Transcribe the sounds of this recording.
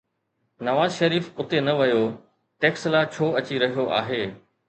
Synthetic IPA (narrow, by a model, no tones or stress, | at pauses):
nɐʋaːzʃɐɾiːfʊt̪enɐʋɐjo | ʈeːkslaːt͡ɕʰoːɐt͡ɕiɾɐɦijoʔa̰ːɦeː